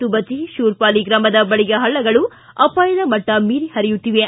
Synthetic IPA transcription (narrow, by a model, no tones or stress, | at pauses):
t̪ubɐt͡ʃiʃuːɾpaːliɡɾɐmɐd̪ɐbɐɭiɡɐɦɐɭːɐɡɐɭu | ɐpaːjɐd̪ɐmɐʈːɐmiːɾihɐɾijut̪ːiʋe